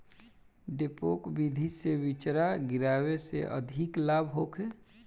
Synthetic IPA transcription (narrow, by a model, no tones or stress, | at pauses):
ɖepoːkbid̪ʱisewɪt͡ʃɾaɡɪɾaːwesḛʔə̰d̪ʱiklaːbɦoːkʰe